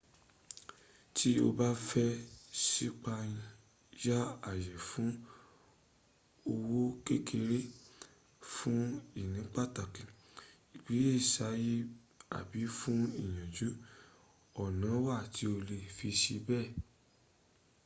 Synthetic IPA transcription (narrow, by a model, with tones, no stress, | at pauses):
tʰi˦o̰˧ba˦fɛ˦si˦k͡pa˧jĩ˧ | ja˦a˦˨jɛ˨fũ˨˦ | o˧wo˦ke˦kʰe˧ɾe˦ | fũ˦i˦˨nĩ˨˦k͡pa˦˨ta˨kĩ˨ | i˨k͡pi˨˦je˦˨sa˨˦ji˦ | a̰˨bi˨˦fũ˦i˦˨j̃ã˨d͡ʒu˨˦ | ɔ˦˨nã˨˦wa˦˨tʰi˨˦o˧le˧˨fi˧ʃi˧bɛ˦˨